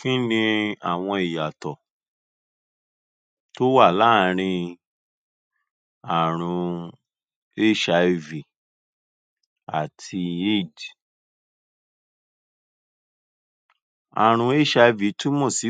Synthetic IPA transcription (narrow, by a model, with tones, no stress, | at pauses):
kĩ˦nĩ˧a˨w̃ɔ̃˧i˨ja˨tɔ˨ | to˦wa˦˨la˦˨˦ɾ̃ĩ˧ | a˨ɾ̃ũ˧ | e˦ʃa˧vi˨ | a̰˨tʰi˧e˦˨d | a̰˨ɾ̃ũ˧e˦ʃa˧i˧vi˨˦tu˦mõ˦˨si˨˦